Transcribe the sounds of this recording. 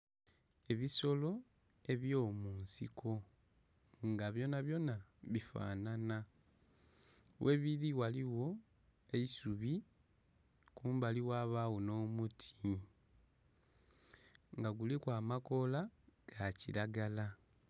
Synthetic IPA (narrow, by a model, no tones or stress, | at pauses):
e̞βiso̞lo̞ | e̞βjo̞ːmuːnsḭkʰo̞ | ŋɡaβjo̞naβjo̞naβifa̰ːnana | wʔeβiɾiwaliwo̞ | e̞isuβi | kuːmbaliwaːβawono̞ːmutʰi | ŋɡaɡulikwaːmako̞laɡ̥acḭɾaɡala